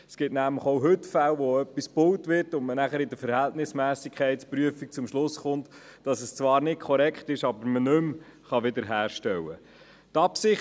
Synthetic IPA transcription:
sɡ̥ɪtnæmləχowɦɵtfælʋoœpːispʊwtʋɪrtʊnmənæχəɾɪdəfəɾhɛltnɪsmæːsikʰχɛɪtspɾyəfik̚t͡sʊmʃlʊsχʊntd̥ɑsəst͡sʋɑːɾnɪt̚kʰɔɾɛkχtɪʃɑbəɾmənɵm | χɑʋɪd̪əɾɦæːɾʃtɛwə | tɑpsɪχ

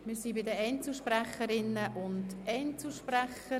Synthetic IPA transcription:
mɪːɾsibɪdəɛnt͡suʃpræχəɾɪnːəʔʊndʔɛnt͡suʃpræχə

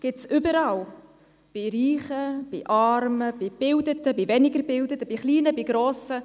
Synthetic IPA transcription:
ɡ̥ɪtsʔʏbəɾɑl | b̥iɾiːχəb̥ḭʔɑrməb̥ib̥ɪldət̪əbivɛnɪɡəɾbɪldətəbiχliːnəbiɡɾoːsə

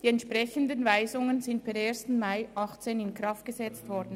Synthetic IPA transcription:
d̥iːɛntʃpʁ̥ɛçəndənvaɪzʊŋənzɪntb̥ɛɾeːɐstn̩maɪʔɑχt͡seːnɪnkʁɑft̚ɡ̥əzɛt͡stvɔɾdn̩

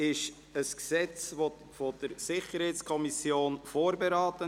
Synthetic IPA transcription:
ɪʃ | əsksɛt͡svo | fod̥əɾsɪχəɾhɛɪtskʰɔmisjoːnfoːɾbeɾɑːtə

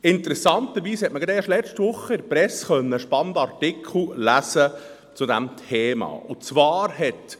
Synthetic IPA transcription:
ɪnt̪əɾɛsɑnt̪əɾʋiːshɛtməɡɑd̪ɛːʃlɛt͡ʃtʋʊχːəɪɾpɾɛsχœnːəʃpɑnd̪ɑrtɪkʰl̩læsə | t͡sʊd̪æmtʰeːmɑ̰ːʊt͡svɑːɾhɛt

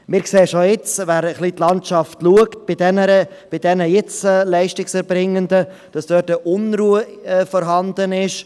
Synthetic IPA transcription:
mɪːɾkseːʃojɪt͡sʋæːɾəχlitlɑntʃɑftluəkt̚b̥idɛnəɾəb̥id̥ɛnəjɪt͡sɛːlɛɪʃtɪksɛɾbɾɪŋːəndəd̥ɑsd̥øːtəʔʊnɾuəɛfɔɾɦɑnd̪ənɪʃ

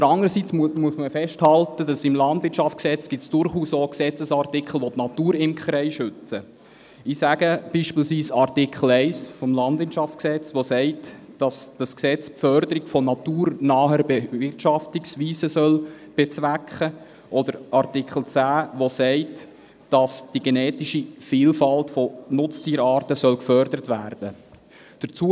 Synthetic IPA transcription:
dəɾɑŋəɾəsit͡smmuəsməfɛʃthɑltəd̥ɑsɪmlɑndvʋɪtʃɑftt͡sksɛt͡sɡ̥ɪtsd̥ʊɾχuːsoksɛt͡səsɑrtɪkχl̩ˠʋɔtnɑt̪uːɾɪmkχɾɛɪʃʏt͡sə | ɪsæɡ̥əb̥iːʃpiːlsʋiːsɑrtikʰχl̩ɛɪsfɔmlɑndʋɪtʃɑft͡sksɛt͡sʋɔsɛɪt | d̥ɑsd̥ɑsksɛt͡spfœɾd̪əɾɪɡfɔnɑtuːɾnɑːɦəɾbeɪrtʃɑftiksʋiːsəsœl | b̥et͡sʋækχə | ʔɔd̥əɾʔɑrtikχl̩ˠt͡sæːʋosɛɪt | d̥ɑsd̥iɡ̥enɛːtiʃifiːlfɑltfɔnʊt͡stiːɾɑːɾtəsœlkfœɾd̥əɾətʋæːrd̥ə | d̥ət͡suə

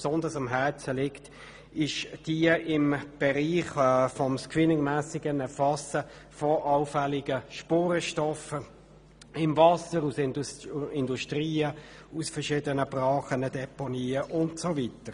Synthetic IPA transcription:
psɔndəsɑmɦɛʁt͡səlɪkt | ɪʃd̥iəʔɪmb̥ɛʁiːχfɔmskwɪnɪŋmæːsɪɡənɛfɑsə | fɔʔɑʊfɛlɪɡ̥əʃpoːɾəʃtɔfə | ɪmvɑsəɾusɪnɪnduʃtʁiːə | usfəʃiːdənəb̥ʁɑːχənədɛpɔniːəʔʊntsovitəɾ

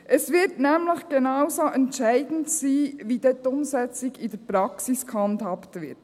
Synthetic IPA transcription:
ʔɛsʋɪɾtnɛːmlɪçɡ̥ɛnɑʊzoʔɛntʃæɪdn̩tsiːʋiːd̥ɛt̪ʊmsɛt͡sɪɡidɛpɾɑksɪskhɑnthɑptʋɪt

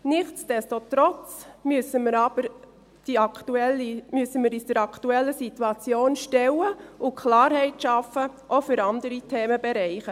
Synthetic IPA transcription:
nɪχt͡sd̥ɛstotɾɔt͡smysəmɪɾɑb̥əɾ | d̥iɑktuɛlimysəmɪɾisd̥əɾɑktuɛlːəsituɑt͡sjoːnʃtɛwəʊkʰlɑːɾɦɛɪtʃɑfəʔofʏɾɑndəɾitʰeːməbɛɾɛɪχə

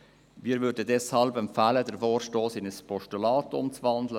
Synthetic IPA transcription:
miːɾvʏːɾdədɛshɑlbɛmfæːlədəɾfoːɾʃtoːsɪnəspʰɔʃtulaːtʊ̰mt͡svɑndlə

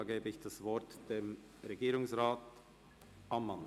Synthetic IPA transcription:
ɡeːbəɪçd̥asvɔɐtd̥eːm | ʁeɡiːɾʊŋsʁaːt | ʔamːan

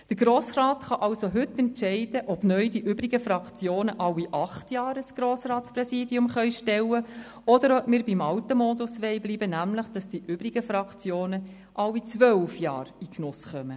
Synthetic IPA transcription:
d̥əɾɡɾoːsrɑːt̪χɑʔɑwsoɦɵt̪ːɛntt͡ʃɛɪd̥əʔɔb̥nœʏdiʔʏbɾiɡəfɾɑkt͡sjoːnəʔɑwiʔɑχtjɑːɾəsɡ̥ɾoːsrɑːtsprɛsiːdiʊmχœʏʃtɛwə | ɔd̪əɾɔbmiːɾbimɑwtəmɔːdusʋɛɪbliːbənæmləχd̥ɑsd̥iʔʏbɾiɡəfɾɑkt͡sjoːnə | ʔɑwit͡sʋœwfjɑ̰ːɾiknʊsχœmə

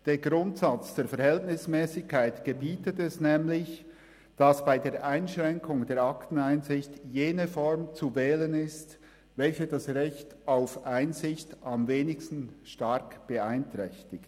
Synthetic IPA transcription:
d̥eːɡʁʊntsat͡sd̥eːɐfɛɐɾhɛltnɪsmɛːsɪçkʰːaɪtɡ̥əbiːtətɛsnɛːmlɪç | d̥asb̥aɪdeːɐɾʔaɪnʃʁɛŋkʰʊŋdeːɾaktn̩aɪnzɪçtjeːnəfɔɹmt͡suvɛːlənɪst | vɛlçəd̥asʁɛçtaʊfʔaɪnzɪçtamveːnɪkstn̩ʃtɑɾkb̥əaɪntʁ̥ɛçtɪkt

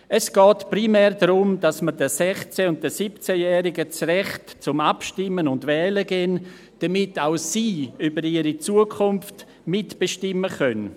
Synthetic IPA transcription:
ɛsɡ̥ɔːtprimɛːɾdɾʊmdasmədəsɛχt͡sɛʊnt̚dəsipt͡sɛjɛːɾɪɡət͡srɛχtt͡sʊmapʃtɪmənʊndvɛːləɡɛn | d̥ɐmɪtaʊsiːybəɾiːɾit͡suəkʰʊnft | mɪtb̥eʃtɪmːəχœn

